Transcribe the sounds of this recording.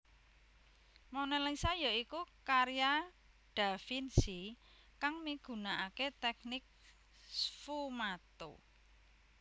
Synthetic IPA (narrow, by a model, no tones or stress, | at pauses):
mɔwnelɛŋsajɔikukaɾija | ɖ̥a̤finsi | kaŋmiɡ̥ṳnaʔaket̪ɛk̚nɪk̚ | sfumat̪o̰